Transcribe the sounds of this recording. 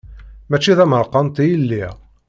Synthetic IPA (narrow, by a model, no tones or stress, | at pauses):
mæt͡ʃːiðæməɾˤqɑnt̪ijəlːiʁ